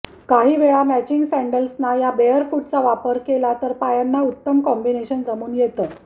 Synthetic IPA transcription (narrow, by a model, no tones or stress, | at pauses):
kaɦiːʋeɭamæt͡ɕiŋɡsæɳɖəlsnajabejəɾfuːʈt͡saʋapəɾkelat̪əɾpajanːaut̪ːəmkɔmbineɕənd͡zamuːnjet̪ə